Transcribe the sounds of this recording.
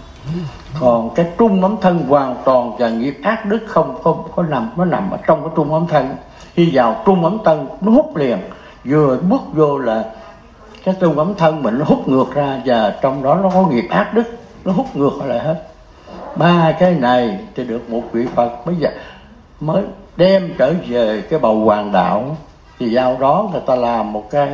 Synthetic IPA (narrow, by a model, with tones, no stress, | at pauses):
kɔ˨˩nkaː˨˦jt͡ɕʊ˧ŋ͡mʔə˨˦mt̪ʰə˧nkwaː˨˩ŋt̪waː˨˩nvaː˨˩ŋi˨˩əp̚ʔaː˦˥t̚ɗɨ˦˥k̚xə˧wŋ͡mxə˧wŋ͡mkɔ˨˦na˨˩mnɔ˨˦na˨˩mʔə̰ː˧˩˦t͡ɕɔ˧wŋ͡mkaː˨˦jt͡ɕʊ˧ŋ͡mʔə˨˦mt̪ʰə˧n | hi˧zaː˨˩wt͡ɕʊ˧ŋ͡mʔə˨˦mt̪ʰə˧nnɔ˨˦hʊ˦˥k͡p̚li˨˩ən | zɨ˨˩əɓɨ˦˥ək̚zo˧laː˨˩ | kaː˨˦jt̪ʊ˧ŋ͡mʔə˨˦mt̪ʰə˧nmï˨˩ŋ̟nɔ˨˦ɦʊ˦˥k͡p̚ŋɨ˨˩ək̚zaː˧vaː˨˩t͡ɕɔ˧wŋ͡mɗɔ˨˦nɔ˨˦kɔ˨˦ŋi˨˩əp̚ʔaː˦˥p̚ɗɨ˦˥k̚ | nɔ˨˦ɦu˦˥k͡p̚ŋɨ˨˩ək̚hla̰ː˧˨˩ɦe˦˥t̚ | ɓaː˧kaː˨˦jna˨˩jt̪i˨˩ɗɨ˨˩ək̚mo˨˩t̚kwḭ˧˨fə˨˩t̚ɓə˧jzə̰ː˧˨˩ | məː˨˦jɗɛ˧mt͡ɕəː˧˩ve˨˩kaː˨˦jɓə˨˩wkwaː˨˩ŋɗa̰ː˧˨w | t̪ʰi˨˩zaː˧wɗɔ˨˦ŋɨ˨˩əjt̪aː˧laː˨˩mːo˨˩t̚kaː˨˦j